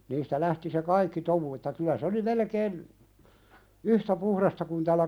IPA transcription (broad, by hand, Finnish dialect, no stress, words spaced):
niːstæ læhti se kɑikːi tomu etːæ kylæ se oli melekeːn yhtæ puhrɑstɑ kun tælːæ